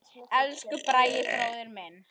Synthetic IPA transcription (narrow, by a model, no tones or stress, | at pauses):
ɛlskʏpɾaːjɪfɾaːwðɪɾmɛn